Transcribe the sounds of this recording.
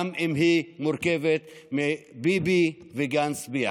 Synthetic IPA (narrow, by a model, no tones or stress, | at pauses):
mimɦimuɾkevet̪mebibi | viɡansbia